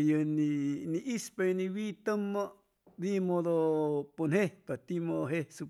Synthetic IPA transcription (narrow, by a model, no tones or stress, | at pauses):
jəniniʔispajənĩwiːt̪əmːa | bimod̪oponhepat̪imooɦesu